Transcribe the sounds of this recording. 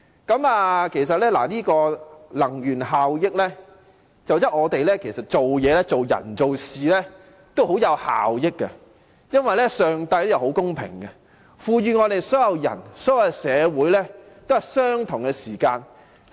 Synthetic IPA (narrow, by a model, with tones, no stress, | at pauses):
kɐ˨˥maː˨kʰe˨˩js̬ɐ˨t̚lɛː˥la̰ː˨˩liː˥kɔː˧lɐ˨˩ŋjyː˨˩nɦaː˨wjɪ˥k̚lɛː˥ | t͡sɐ˨wt̪ɐ˥k̚ŋɔː˨˧t̪e˨jlɛː˥kʰe˨˩jsɐ˨t̚t͡ʃo˨wjɛː˨˧lɛ˥t͡so˨wjɐ̰˨˩nt͡so˨wsiː˨lɛ˥ | t̪o˥wɦo˨˥wjɐ˨˧wha̰ː˨wjɪ˥kːɛ˧ | jɐ˥nwɐ˨jlɛ˥sœː˨ŋt̪ɐ˧jljɐ˨˩who˨˥wkʊ˥ŋpʰɪ̰˨˩ŋkɛ˧ | fuː˨˧ɥyː˨ŋɔː˨˧t̪e˨jsɔː˨˥jɐ˨˧wjɐ̰˨˩nsɔː˨˥jɐ˨˧jsɛː˨˧wuː˨˥jlɛː˥ | t̪o˥whɐ˨˩jsœː˥ŋt̪ʰʊ˨˩ŋkɛ˧siː˨˩kaː˧n